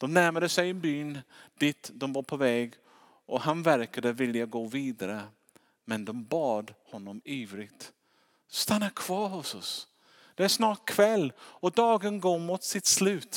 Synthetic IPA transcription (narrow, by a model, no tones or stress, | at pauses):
d̪̥ɔmnæɾmad̪əsɛjɛnbyːnd̪̥ɪt̪ːd̪ɔmvɑɾpʰɔvɛːɡ | ʔɔɦanvæɾkad̪əvɪlːjaɡoːviːd̪aɾə | mɛnd̪ɔmbɑːd̪hɔnːɔmiːvɾɪɡt̪ | st̪anːakʰv̥ɑːɾhʊsɔs | d̪̥ɛæʂnɑːʈ̚kʰvɛlːɔd̪ɑːɡənɡomut̪sɪt̪slʉ̟ːt̪